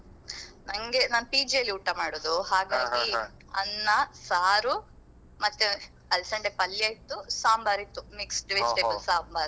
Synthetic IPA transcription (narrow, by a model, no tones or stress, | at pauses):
nɐŋɡenaːnupiːd͡ʒijɐlːiuʈːɐmaːɽoːd̪uɦaːɡaːɡi | ɐnːɐsaːɾu | mɐt̪ːu | ɐlsɐɳɖepɐlːjaːjit̪ːusaːmbaːɾit̪ːumiksʈʋesʈebɐlsaːmbaːɾ